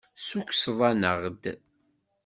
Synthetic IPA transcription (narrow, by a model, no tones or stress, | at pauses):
suksðˤɑnəʁd̪